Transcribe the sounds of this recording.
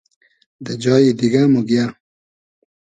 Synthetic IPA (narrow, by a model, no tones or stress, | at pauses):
d̪əd͡ʒɑːjid̪iɡamuɡja